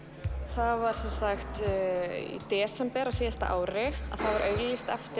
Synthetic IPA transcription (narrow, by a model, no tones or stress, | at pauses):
θavaɾ̥sɛnsaxt̪ | ḭt̪ɛːsɛmpɛɾaɣsɛst̪aʔa̰ːwɾɪa̰ðθavaɾœɥɣlist̪ɛft̪ɪ